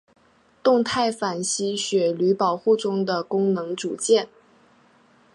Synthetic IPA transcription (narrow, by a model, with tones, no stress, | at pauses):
t̪ʊ˥˧ŋt̪ʰa˥˩ɪfa˨˩nɕi˥ɕɥɛ˨˩ly˧˥pɑ˨˩ʊxu˥˩ʈ͡ʂʊ˥ŋd̪ə˨kʊ˥ŋnɤ˧˥ŋt͡su˨˩t͡ɕjɛ˥˩n